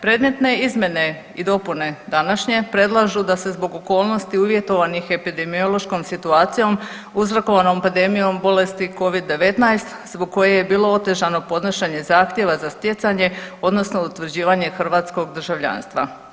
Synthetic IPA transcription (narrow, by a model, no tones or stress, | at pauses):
pɾe̞ːd̪met̪ne̞izmje̞ne̞ | id̪o̞pune̞d̪anaʃɲe̞pɾe̞d̪lˠaʒud̪ase̞zbo̞ɡo̞ko̞ːlˠno̞st̪iuːʋje̞t̪o̞ʋanixe̞pid̪e̞mio̞lˠoʃko̞msit̪uaːt̪sijo̞m | uzɾoko̞ʋano̞mpand̪e̞mijo̞mbo̞le̞st̪iko̞ʋid̪ːe̞ʋe̞t̪najst̪ | zbo̞ɡ̚kːo̞jejebiːlˠo̞o̞t̪e̞ʒano̞po̞d̪naʃaɲe̞zaːxt̪jeʋazast̪jet̪saɲe̞o̞d̪no̞sno̞ut̪ʋr̩d͡ʑiːʋaɲe̞xr̩ʋat̪sko̞ɡd̪r̩ʒaʋʎa̰ːnst̪ʋa̰